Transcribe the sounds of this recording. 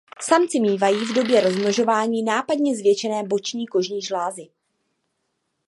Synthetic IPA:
samt͡sɪmiːvajiːvdo̞bjɛɾo̞zmloʒo̞vaːɲiːnaːpadɲɛzvjɛt͡ʃɛnɛːbo̞t͡ʃɲiːko̞ʒɲiːʒlaːzɪ

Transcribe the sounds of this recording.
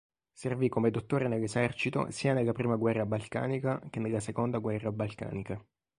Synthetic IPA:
servikːomed̪ot̪ːoːɾenelːezɛrt͡ʃit̪o̰siːanelːapɾiːmaɡwɛrːabalka̰ːnikak̟enːelːasekond̪aɡwɛrːabalka̰ːnika

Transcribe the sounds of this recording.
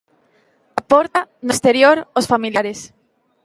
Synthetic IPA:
apɔɾt̪anost̪eɾjoɾosfamiljaɾes

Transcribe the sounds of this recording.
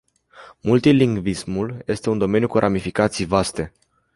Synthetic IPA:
mult̪iliŋɡvismulje̞st̪e̞und̪o̞me̞njukuɾʔamifikat̪sijvast̪e̞

